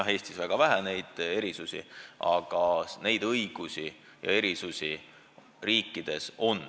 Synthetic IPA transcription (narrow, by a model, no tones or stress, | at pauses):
he̞ːst̪isvæɡ̥ɑvæɦæne̞jd̪̥e̞ɾisusʲḭʔɑ̰ɡ̥ɑne̞jd̪ɤjɡ̥usi | jɑ̰e̞ɾisusʲi | riːkˑːid̪̥e̞so̞n